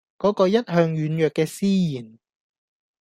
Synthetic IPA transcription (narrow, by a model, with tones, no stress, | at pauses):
kɔː˨˥kɔː˧jɐ˥t̚hœː˧ŋjyː˨˥njœː˨kːɛː˧siː˥jiː˨˩n